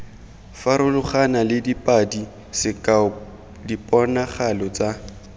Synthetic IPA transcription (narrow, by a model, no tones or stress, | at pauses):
faɾʊlʊχanalɪdipʼadi | sɪkʼa | dipʼɔnaχalɔt͡sa